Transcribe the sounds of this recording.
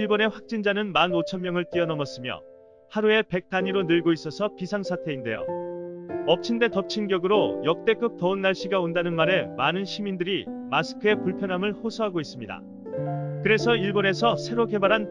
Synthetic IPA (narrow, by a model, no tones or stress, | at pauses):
iɭbone̞ɸwak̚t͡ɕ͈ind͡ʑanɯnmanot͡ɕʰʌnmːjʌŋɯɭt͈iʌnʌmʌs͈ɯmjʌ̰ | haɾue̞pe̞k̚t͈aɲiɾonɯɭɡois͈ʌsʰʌpisʰaŋsʰatʰe̞inde̞jo̰ | ʌp̚t͡ɕʰinde̞tʌp̚t͡ɕʰinɡjʌɡɯɾojʌk̚t͈e̞k͈ɯp̚tʌɯnːaɭɕ͈iɡaondanɯnmaɾe̞manɯnɕʰimindɯɾimasʰɯ̥kʰɯe̞puɭpʰjʌnɦamɯɭhosʰʌɦaɡois͈ɯmɲida̰ | kɯɾe̞sʰʌiɭbone̞sʰʌsʰe̞ɾoɡe̞baɾan